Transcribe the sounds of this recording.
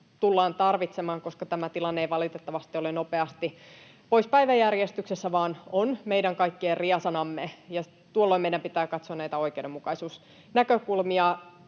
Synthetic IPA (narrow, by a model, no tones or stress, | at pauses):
t̪ulːɑːnt̪ɑrʋit̪semɑːŋko̞skɑt̪æmæt̪ilɑnːeeiʋɑlit̪et̪ːɑʋɑst̪iolenopeɑst̪i | po̞ispæiʋæjærjest̪yksesːæʋɑːnonmeidæŋkɑikːierriɑsɑnɑmːejɑ | t̪uolːoimeiɾæmpit̪æːkɑt̪soɑnæit̪æo̞ik̟ewdemːukɑisuːs | nækøkulmiɑ